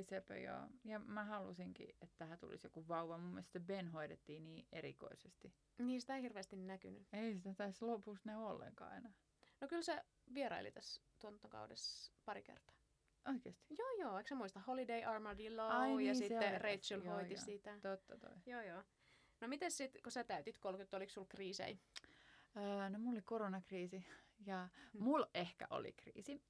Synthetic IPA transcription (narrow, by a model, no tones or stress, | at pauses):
isepø̰jo̰ːjɑmæhɑlusiŋkḭet̪ːæhæt̪ṵlḭsjo̰kuʋʋɑuʋɑmumːḭest̪st̪ːebenɦoitet̪ːiːniːʔeɾḭko̰isest̪i | niːsit̪æhirʋeːst̪innæky̰ny̰eisit̪æt̪æslopust̪næyolːḛŋkɑ̰ːɑ̰inɑ | nokylse | ʋieɾɑ̰ilḭt̪æst̪uont̪ːɑkɑ̰udḛspɑɾḭkḛrt̪ɑ̥ː | ʔoikeːst̪i̥joːjoːeksemuist̪ɑholideiʔɑrmɑdiloɑjɑsiteːereit̪ylʋoit̪isit̪æt̪ot̪ːɑt̪o̰ijoːjoː | nomit̪essit̪kosæt̪æyt̪it̪kolkut̪ːoliksulkriːsḛi | əːnomulːolikoronɑkriːsijɑmulehkæ̰ʔo̰lḭkrḭːsi